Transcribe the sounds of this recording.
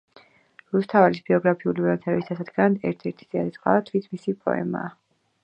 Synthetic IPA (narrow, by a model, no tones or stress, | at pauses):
ɾust̪ʰavalisbiɔɡɾapʰiulivɛmt̪ʰɛbisd̪ʰasad̪ɡand̪ɛ̰ɾt̪ʰɛɾt̪ʰi̥z̥ɛad̪ɛt̪sʼqʼaat̪ʰwit̪ʰmisipʼɔ̰ɛ̰ma̰ː